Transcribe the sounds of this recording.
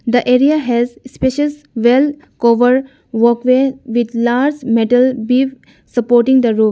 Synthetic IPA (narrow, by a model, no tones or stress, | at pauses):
d̪əʔeɾiaɦɛzspeʃəs | ʋel | koʋəɾɖ | ʋɔkʋeʋid̪laɾd͡ʒmeʈəlbiʋ | səpoɾʈĩŋd̪əɾu